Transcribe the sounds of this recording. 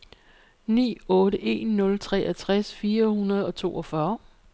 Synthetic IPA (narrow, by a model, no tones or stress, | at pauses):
nḭːɔ̽ːɾəʔe̝ːnːɔ̽lt͡sʰʁɛ̰ʔæt͡sʰʁasfiːɐhunɐð̞ˠɒ̽t͡sʰo̝̰ːɒfɶːɐ